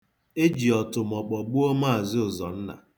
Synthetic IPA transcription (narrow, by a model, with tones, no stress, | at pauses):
e˦d͡ʒi˨ɔ˨tʊ˨m̩˨ɔ˨k͡pɔ˨ɡ͡bʊ˦o˦ma˦a˨zɪ˦ʊ˨zɔ˨n̩˦na̰˨